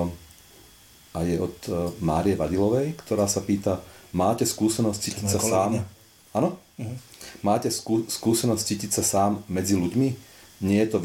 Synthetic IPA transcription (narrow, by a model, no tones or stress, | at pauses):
ajɛɔt̪ma̰ːɾiɛʋad̪ilɔʋɛjkt̪ɔɾaːsapiːt̪amaːcɛskuːsɛnɔsct͡siːcisasaːm | anɔ | maːcɛsuskuːsɛnɔsct͡siːcicsasaːmːɛd͡ziluɟmiɲɪɛjɛt̪ɔʋ